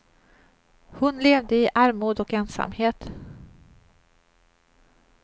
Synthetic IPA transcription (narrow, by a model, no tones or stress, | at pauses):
hʊnleːvd̪əɪʔæɾmuːd̪ɔkɛnsa̰mheːt̪